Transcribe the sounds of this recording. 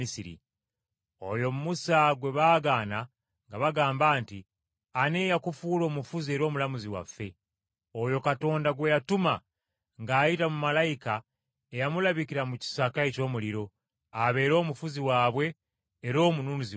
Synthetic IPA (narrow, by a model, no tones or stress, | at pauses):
isiɾḭ | o̞jo̞mumusaɡwe̞βaːɡaːna | ŋɡaβaɡaːmbaːnti | ane̞ːjakufuːlo̞ːmufuzie̞ɾo̞ːmulamuziwa̰fːe̞ | o̞jo̞kato̞ːndaɡwe̞jatuma | ŋɡaːjitamumalajika | ejamulaβikiɾamuci̥sakaeco̞ːmuliɾo̞ | aβe̞ːɾo̞ːmufuziwaːβwe̞ː | ɾo̞ːmunuːnuzi